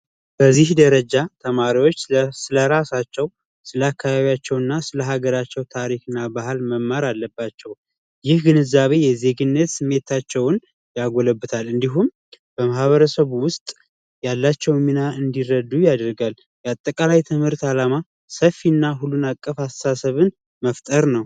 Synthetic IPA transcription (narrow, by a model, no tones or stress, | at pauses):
bəzːihd̪əɾəd͡ʒat̪ʰəmaɾiwo̞t͡ʃːsɨləɾasat͡ʃːɛw | sɨlakʰːaβaβjat͡ʃːɛwɨnːasɨləɦaɡəɾat͡ʃːɛwt̪ʰaɾikɨnːabahlməmːaɾalːəbːat͡ʃːɛw | jɪhɡɨnɨzaβe̞jɛze̞ɡɨnːət̪sɨmːe̞t̪ʰat͡ʃːɛwn | jaɡoləbːɨt̪ʰalɨnd̪iɦum | b̥əmahβəɾəsəβwʊst̪ʼ | jalːat͡ʃːɛwminaʔɨnd̪iɾəd̪ujad̪ɾɡal | jɛat̪ʼːəkʼalajt̪ʰɨmhɨɾt̪alama | səfːinːaɦulːunakʼːəfasəsasəβɨn | məft̪ʼəɾnəw